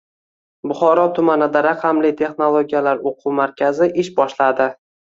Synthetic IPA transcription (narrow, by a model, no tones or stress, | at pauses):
bʊχɒɾɒt̪ʰʊmanɪd̪aɾɑqʰɑmlɪt̪ʰe̞χnolˠoɡʲijalaɾoqʰumaɾkʲʰazɪʔɪʃbɒʃlad̪ɪ